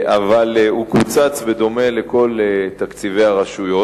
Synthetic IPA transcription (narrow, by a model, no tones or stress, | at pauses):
ʔavalukut͡sat͡sved̪o̞me̞le̞ko̞let̪akt͡sive̞jaʁaʃujo̞